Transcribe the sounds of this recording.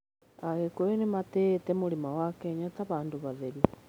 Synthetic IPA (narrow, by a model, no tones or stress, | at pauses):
aɣekoɾenematetɛmoɾemawakɛɲataβaːndoβaðeɾu